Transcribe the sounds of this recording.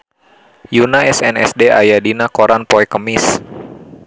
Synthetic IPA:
junaɛsɛnɛ̰sdeajadinakoɾanpɔɛkəmɪs

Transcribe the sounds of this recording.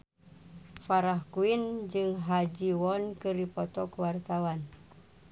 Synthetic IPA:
faɾahkuind͡ʒɨŋɦad͡ʒiwɔnkɨrdipɔt̪ɔkuwart̪awan

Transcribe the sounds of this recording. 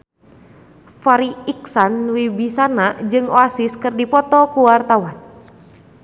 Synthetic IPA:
faɾiiksanwibisanad͡ʒɨŋoasiskɨrdipɔt̪ɔkuwart̪awan

